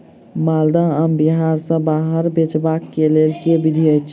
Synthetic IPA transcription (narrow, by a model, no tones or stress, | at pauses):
mald̪aəmbiɦaɾsə̃baɦəɾbet͡ʃbakːelelkebid̪ʱiəjt͡ʃʰ